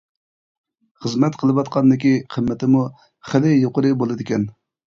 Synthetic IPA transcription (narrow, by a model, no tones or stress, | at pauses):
χəzmɛt̪qʰəlˠɨwɑt̪qʰɑnd̪ɪkʲiqʰəmːɪt̪ʰɪmu | χəlɪjoqəɾɨbolˠɨd̪ɪkʲʰɛn